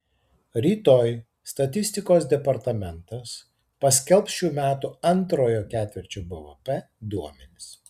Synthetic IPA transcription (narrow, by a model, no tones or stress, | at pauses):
ɾʲiːt̪oːj | st̪ɐt̪ʲɪsʲt̪ʲɪkoːsd̪ʲɛpɐɾt̪ɐmʲɛnt̪ɐs | pɐsʲkʲɛlˠˑpsʃʲuːmʲæːt̪uɐnt̪ɾoːjoːkʲæːt̪ʲʋʲɛɾʲt͡ʃʲoːbɐʋɐpʲɛ | d̪uɔmʲɛnʲɪs